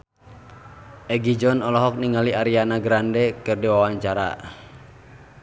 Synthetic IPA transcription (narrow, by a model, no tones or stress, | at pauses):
ʔɛɡid͡ʒɔnɔlɔɦɔk̚niŋaliaɾianaɡɾandɛkɨrdiwawaɲt͡ʃaɾa̰